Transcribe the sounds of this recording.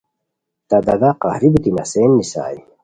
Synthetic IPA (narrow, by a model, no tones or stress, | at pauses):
t̪ɐd̪ɐd̪aqɑhɾibit̪inɐ̰seːnːisa̰ːj